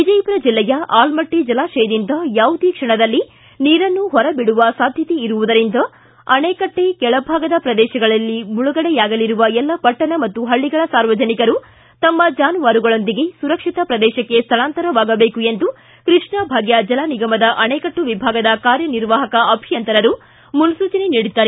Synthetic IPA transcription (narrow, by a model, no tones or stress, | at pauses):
ʋid͡ʒɐjpɐɾɐd͡ʒilːɛjɐʔaːlmɐʈːid͡ʒɐlaːʃɛjɐd̪ind̪ɐjaːʋud̪ekʂɐɳɐd̪ɐlːi | niːɾɐnːuɦɔɾɐbiɽuʋɐsaːd̪ʱjɐt̪eiɾuʋud̪ɐɾind̪ɐ | ɐnɛːkɐʈːeɡɛɭɐbʱaːɡɐd̪ɐpɾɐd̪ɛːʃɐɡɐɭɐlːimuɭuɡɐɽɛjaːɡɐliɾuʋɐɛlːɐpɐʈːɐɳɐmɐt̪ːuɦɐɭːiɡɐɭɐsaːɾʋɐd͡ʒɐnikɐɾu | t̪ɐmːɐd͡ʒaːnuʋaːɾuɡɐɭo̞nd̪iɡe̞suɾɐkʂit̪ɐpɾɐd̪ɛːʃɐkːe̞st̪ʰɐɭaːnt̪ɐɾɐʋaːɡɐbeːkue̞nd̪u | kɾiʂɳɐbʱaːɡjɐd͡ʒɐlaːniɡɐmɐd̪ɐʔɐnɛːkɐʈːuʋibʱaːɡɐd̪ɐkaːɾjɐniɾʋaːɦɐkɐʔɐbʱijɐnt̪ɐɾɐɾu | munusuːt͡ʃɐneniːɽut̪ːaːɾe